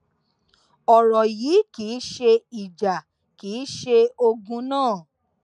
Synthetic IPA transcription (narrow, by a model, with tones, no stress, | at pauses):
ɔ˨ɾɔ˨jiː˨˦ki˨˦ʃe˧i˨d͡ʒa˨ | kiː˨˦ʃe˧o˧ɡũ˧nãː˦˨